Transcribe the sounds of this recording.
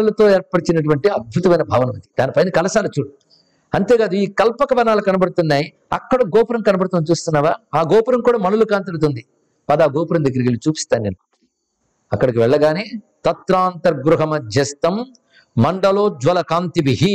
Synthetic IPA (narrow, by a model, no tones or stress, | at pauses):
ɐlɐt̪o̞ːɛːɾpːɐɽit͡ʃinɐʈ̬uʋɐɳʈiɐd̪̚bʱut̪ɐmɐjnɐbʱaːʋɐnɐmɐd̪i̥d̪̥aːnipɐjnɐkɐlɐsaːlɐt͡ʃːuːɽ | ɐnt̪eːɡaːd̪uiːkɐlpɐkɐʋɐnaːlɐkɐnɐbɐɽut̪unːaːji | ɐ̰kːɐɽɐɡɔːpuɾɐmkɐnɐbɐɽut̪uːnt͡ʃuːst̪unːaːʋaːaːɡɔːpuɾɐmkuːɽaːmɐnulukaːnt̪̬ɐɾt̪̬und̪i | pɐd̪aːɡɔːpuɾɐmd̪ɐɡːiɾɐɡilut͡ʃuːpi̥st̪aːnneːnːu | ɐkːɐɽikiʋɛɭːɐɡaːneːt̪ɐt̪ɾaːnt̪ɐɾɡɾuɦɐmɐd͡ʒɐst̪ɐmː | ɐɳɖɐloːd͡ʒʋɐlɐkaːnt̪iʋiɦi